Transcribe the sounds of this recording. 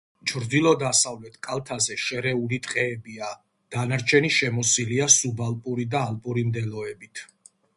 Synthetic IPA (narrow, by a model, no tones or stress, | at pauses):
t͡ʃʰɾd̪ilˠɔd̪asavlɛt̪ʰkʼalˠt̪ʰazɛʃɛɾɛulit̪ʼqʼɛːbia | d̪̥anaɾt͡ʃʰɛniʃɛmɔsiliasubalˠpʼuɾid̪aːlpʼuɾimd̪ɛlɔɛbit̪ʰ